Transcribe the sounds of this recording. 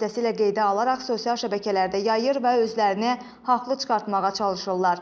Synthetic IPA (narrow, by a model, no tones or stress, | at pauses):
æsiːlæɡe̞jd̪æɑlˠɑɾɑχso̞sijɑlˠʃæbæcʰælæɾd̪æjɑjɯɾvæø̞zlæɾini | hɑχlˠɯt͡ʃʰɯ̥χɑɾt̪mɑʁɑt͡ʃʰɑlˠɯʃɯlˠːɑɾ